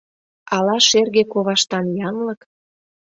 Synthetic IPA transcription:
ɑlɑʃerɣekoβɑʃt̪ɑnjɑnlə̆k

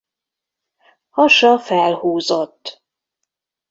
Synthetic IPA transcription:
hɒʃɒfɛlhuːzot̪ː

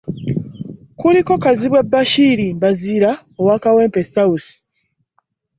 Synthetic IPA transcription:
kuliko̞kaziβwebːaʃiɾimbaziːɾa | owakawe̞ːmpesawusi̥

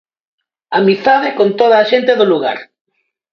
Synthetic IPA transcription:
amiθaðekont̪oð̞aːʃent̪eðʊluɣa̰ɾ

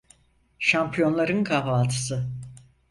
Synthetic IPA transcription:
ʃampʰijo̞nlˠaɾɯnkʰavaːlt̪ʰɯ̥sɯ

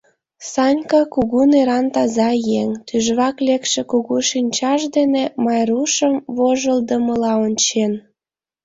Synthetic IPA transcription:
sɑnʲkɑkuɣuneɾɑnt̪ɑzɑjeŋt̪yʒβɑklekʃĕkuɣuʃinʲt͡ɕɑʃd̪enemɑjruʃəmβoʒəld̪əməlɑonʲt͡ɕen

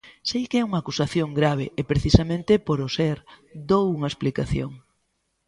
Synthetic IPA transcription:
sejkɛuŋakusaθjoŋɡɾaβ̞eepɾeθisamẽnt̪ɪpoɾosɛɾd̪owuŋɐesplikaθjo̰ŋ

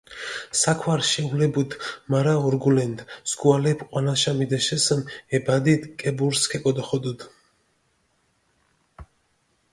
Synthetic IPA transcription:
sakʰwaɾʃɛulɛbud̪maɾaɔɾɡulɛnd̪sɡualɛpʰqʼwanaʃamid̪ɛʃɛsəmɛbad̪id̪kʼɛbuɾskʰɛkʼɔd̪ɔχɔd̪ud̪

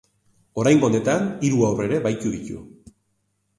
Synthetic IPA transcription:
o̞ɾajŋɡone̞t̪aniɾuaore̞ɾe̞βajt̪uðicṵ

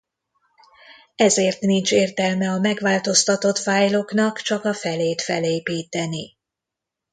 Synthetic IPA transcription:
ɛzeːrt̪nint͡ʃeːrt̪ɛlmɛɒmɛɡʋaːlt̪o̞st̪ɒt̪o̞t̪faːjlo̞knɒkt͡ʃɒkɒfɛleːt̪fɛ̰leːpiːt̪ɛni

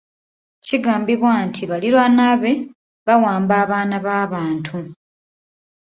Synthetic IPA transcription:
ciɡaːmbiβwaːntʰiβaliɾwanaβe̞ | βawaːmbaːβaːnaβaːβaːntʰu

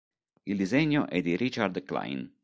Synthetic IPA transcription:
ild̪izɛɲːoʔɛd̪iɾit͡ʃaɾd̪kla̰jn

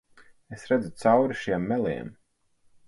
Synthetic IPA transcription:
esɾɛd̪zut̪sawɾiʃiɛmːɛlˠḭɛm

